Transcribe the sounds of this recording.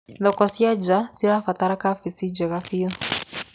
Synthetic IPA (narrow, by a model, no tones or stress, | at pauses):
nɔkɔsiad͡ʒasiɾafat̪aɾakafisid͡ʒɛɣafiɔ